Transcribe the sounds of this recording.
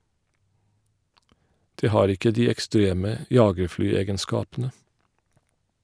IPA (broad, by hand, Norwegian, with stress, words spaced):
ˈdeː ˈhɑːɾ ˈɪkə ˈdiː ɛkˈstɾeːmə ˈjɑːɡəɹˌflyːˌeːɡənˌskɑːpn̩ə